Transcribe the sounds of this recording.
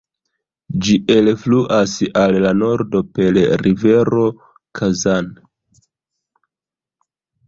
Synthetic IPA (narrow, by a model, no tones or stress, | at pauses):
d͡ʒiʔe̞lfluʔasalːano̞ɾdo̞pe̞lɾive̞ɾo̞ | kʰazan